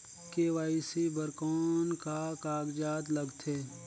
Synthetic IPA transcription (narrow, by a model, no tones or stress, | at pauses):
keːʋaːisibəɾkɔːnkakaːɡd͡ʒaːt̪lɐɡt̪ʰeː